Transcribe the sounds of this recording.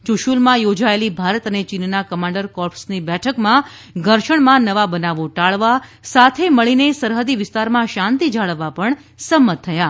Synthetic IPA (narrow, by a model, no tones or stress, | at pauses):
t͡ʃuʃulmãjod͡ʒaelibʱaɾət̪ənet͡ʃinnakəmãɳɖəɾkɔɾpsnibɛʈʰəkmã | ɡʱəɾʃəɳmãnəʋabənaʋoʈaɭʋasat̪ʰeməɭinesəɾɦəd̪iʋɪst̪aɾmãʃãnt̪id͡ʒaɭəʋːapəɳ | səmːət̪ʰːəja